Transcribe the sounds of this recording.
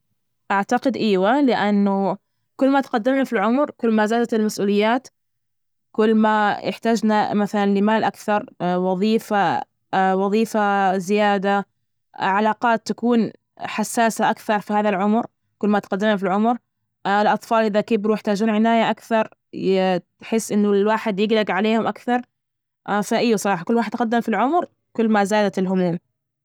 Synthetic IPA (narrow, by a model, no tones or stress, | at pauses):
ʔaʕt̪aqɪd̪ʔiːwalɪʔanːʊ | kʊlːmat̪qad̪ːɪmnafilʕʊmɾkʊlːmazaːd̪at̪ɪlmasʔuːlɪjːaːt̪ | kʊlːmajɪ̰ħt̪aːd͡ʒnamaθalanlɪmaːlʔakθɑɾˤwɑðˤiːfa | wɑðˤiːfazɪjaːd̪a | ʕalaːqɑːt̪ːakuːn | ħasːaːsaʔakθɑɾˤfihaːðalʕʊmɾ | kʊlːmat̪qad̪ːɪmafilʕʊmɾ | ɪlʔɑt̪ˤfɑːlʔɪðakɪbɾujɪħt̪aːd͡ʒuːnʕɪnaːjaʔakθɑɾˤ | ħɪsːʔɪnːʊlwaːħɪd̪jɪɡlaɡʕaleːhʊmʔakθɑɾˤ | faʔɪjːasˤɑɾɑːħakʊlːwaːħɪd̪qad̪ːamfilʕʊmɾ | kʊlːmazaːd̪at̪ɪlɦʊmuːm